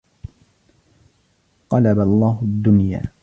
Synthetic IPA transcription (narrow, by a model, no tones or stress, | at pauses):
qɑlabalˤːɑːɦʊd̪ːʊnja̰ː